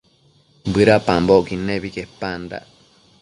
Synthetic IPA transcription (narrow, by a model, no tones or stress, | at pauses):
bɨɾapãmbokinẽβikepand̪a̰